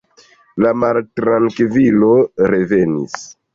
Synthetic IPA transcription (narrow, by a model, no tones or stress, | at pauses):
lamaltɾaŋkvilo̞ɾe̞ve̞nḭs